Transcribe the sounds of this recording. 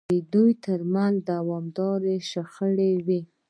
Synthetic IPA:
əd̪ujt̪əɾmanzd̪awɑmd̪ɑɾeʃaxəɽewi

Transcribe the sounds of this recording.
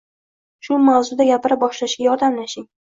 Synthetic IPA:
ʃʊmawzʊd̪aɡʲapɪɾap̚bɒʃlaʃɡʲajɒɾd̪amlaʃɪŋ

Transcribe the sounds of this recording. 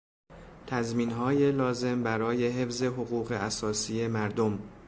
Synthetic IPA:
t̪ʰæzmiːnɦɒːje̞lɒːze̞mbæɾɒːje̞ɦe̞fze̞ɦoɣuːɣe̞ʔæsɒːsiːe̞mæɾd̪om

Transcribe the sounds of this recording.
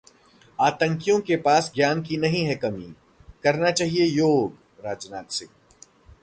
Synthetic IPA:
aːt̪ə̃ŋkijõkepaːsɡjaːnkinɐɦĩɦɛkɐmḭː | kɐɾnat͡ʃaːɦiejoːɡ | ɾaːd͡ʒna̰ːt̪sɪ

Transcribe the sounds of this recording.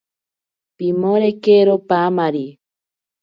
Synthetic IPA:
pimoɾekeɾopamaɾi

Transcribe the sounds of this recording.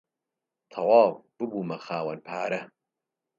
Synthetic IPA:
t̪ʰɐwɑːwb̥ɨbuːmɐxaːwɐnpʰaːɾɐ

